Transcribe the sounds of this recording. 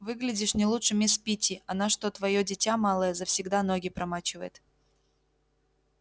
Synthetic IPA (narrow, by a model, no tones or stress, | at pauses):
vɨɡlʲɪdʲɪʂnʲɪlˠutʂɨmʲɪspʲitʲɪʔɐnaʂt̪ot̪vɐjodʲɪtʲamalˠəjəzəfsʲɪɡd̪ano̞ɡʲɪpɾɐmat͡ɕɪvəjɪt̪